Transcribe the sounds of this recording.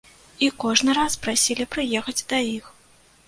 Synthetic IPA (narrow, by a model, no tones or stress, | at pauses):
ikɔʐnɨɾaspɾasʲilʲipɾɨjɛxɐd͡zʲd̪ɐjix